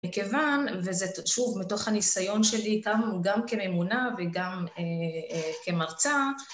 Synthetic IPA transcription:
mikevanvezeʃuvmito̞χhanisajo̞nʃe̞liɡamɡamke̞me̞munaveɡameke̞maʁt͡sa

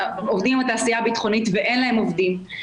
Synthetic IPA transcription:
ovd̪immat̪aːsijabit̪χo̞nit̪veʔe̞nlaɦemovd̪im

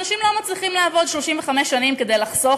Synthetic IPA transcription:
naʃimlo̞mat͡sliχimlaːvo̞d̪ʃlo̞ʃimveχameʃːanimke̞d̪ejlaχzo̞

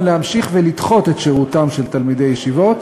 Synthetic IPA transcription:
leamʃiχvelit̪χo̞t̪etʃeʁut̪amʃelt̪almid̪e̞jeʃivo̞t̪

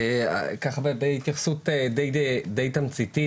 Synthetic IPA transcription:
kaχabebeit̪jaχsut̪ed̪ejd̪ejt̪amt͡sit̪i

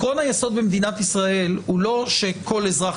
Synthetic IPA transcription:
ʁonajaso̞d̪bemd̪inat̪isʁae̞lhulo̞ʃe̞kʰo̞le̞zʁa

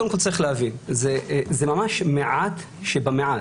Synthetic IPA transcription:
od̪emkolt͡saʁiχlehavinzezemamaʃmeʕat̪ | ʃebameʕa

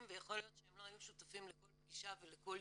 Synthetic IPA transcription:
mvejaχo̞lijo̞t̪ʃeemlo̞ajuʃut̪afimleko̞lp̚ɡiʃaveleko̞l

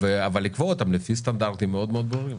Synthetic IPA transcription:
veavalːikvoot̪amlefist̪and̪aʁt̪imeo̞d̪meo̞d̪boʁim

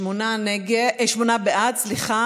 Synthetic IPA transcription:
monaneɡeʔeʃmonabeʔat̪sliχa

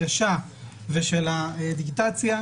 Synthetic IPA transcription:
aʃa | veʃelaed̪iɡit̪at͡sja

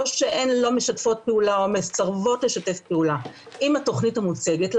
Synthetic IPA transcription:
ʃeʔenlo̞me̞ʃatfo̞t̚peulaomest͡saʁvo̞tle̞ʃate̞fpeula | ʔimato̞χnithamut͡se̞ɡetl

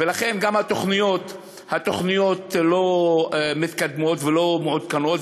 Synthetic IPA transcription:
velaχe̞nɡamhat̪o̞χnijo̞t̪ | hat̪o̞χnijo̞t̪lo̞ | mit̪kad̪mo̞t̪velo̞mʕud̪̚kano̞t̪

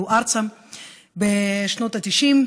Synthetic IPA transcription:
uʔaʁt͡sa | beʃno̞t̪at̪iʃim

